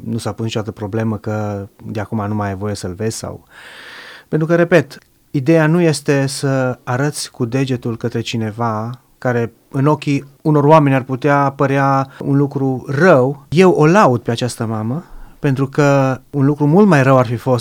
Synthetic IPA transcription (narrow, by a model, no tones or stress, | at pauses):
nusapusnit͡ʃod̪at̪əpɾo̞ble̞məkəd̪eakumanumajevo̞je̞səlve̞zʲsa̰w | pe̞nt̪ɾukəɾe̞pe̞t̪ | id̪e̞januje̞st̪e̞səaɾət̪sʲkud̪e̞d͡ʒe̞t̪ulkət̪ɾe̞t͡ʃine̞va | kaɾe̞ | ɨno̞kʲiuno̞roame̞nʲarput̪eapəɾeaṵnlukɾurəwje̞wo̞laud̪̚pe̞at͡ʃast̪əmaməpent̪ɾukəunlukɾumult̪majrəwarfifo̞s